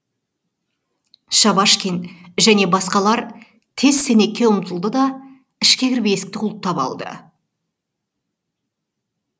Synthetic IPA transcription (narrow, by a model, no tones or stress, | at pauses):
ʃɑβɑʃkʲenʒæne̞bɑsqɑlˠɑɾ | t̪ʰe̞zse̞ne̞kʲːe̞ʊmt̪əlˠd̪əd̪ɑ | ɪʃkʲe̞kʲɪɾbejesɪ̥k̚t̪ɪʊlˠt̪ʰːɑpɑ̰lˠd̪ə̰